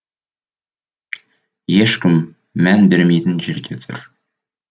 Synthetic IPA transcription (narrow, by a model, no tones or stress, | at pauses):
jeʃkʲɪmː | ænbɪɾmejt̪ɪnʒeɾd̪ʲet̪ʰʏ̰ɾ